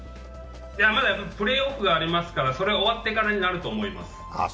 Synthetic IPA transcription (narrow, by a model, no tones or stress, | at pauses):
d͡ʒaamad̪apɯ̟ɾe̞oːkɯ̟ɡaːɾʲimasɨ̥kaɾaso̞ɾe̞ao̞βat̪ːe̞kaɾaɲ̟inaɾɯ̟t̪o̞ːmo̞ima̰sɨ̥